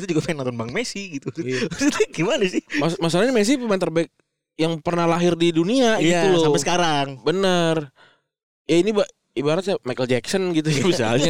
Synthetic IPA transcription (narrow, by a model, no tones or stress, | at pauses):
it̪ud͡ʒuɡafanant̪ɔnbaŋmesiɡit̪uit̪uɡimanasɪasmas̬alaɲimes̬ipəmaɪnt̪ərbaɪk̚ | jaŋpərnahlaɦɪrdiduniaɡit̪usapɛsəkaɾaŋbənər | jainiba | ibaɾat̪̚samajkəld͡ʒɛksɔnɡit̪̬ujabis̬a̰lɲa